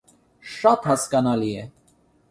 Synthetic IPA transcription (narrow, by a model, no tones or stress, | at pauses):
ʃɑt̪hɑskɑnɑliɛ